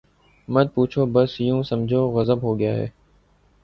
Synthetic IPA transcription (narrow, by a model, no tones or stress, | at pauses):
mət̪̚puːt͡ʃʰoːbəsjũːsəmd͡ʒʱoːɣəzəbɦoːɡɪja̰ːɦɛ̰ː